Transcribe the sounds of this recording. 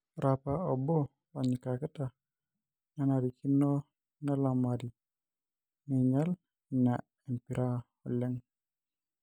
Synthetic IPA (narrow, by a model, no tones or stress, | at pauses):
ɾapaobɔ | oɲikakata | nanaɾikʰinːo | nalamadi | niɲal | na | empiɾʔa | ɔlːeŋ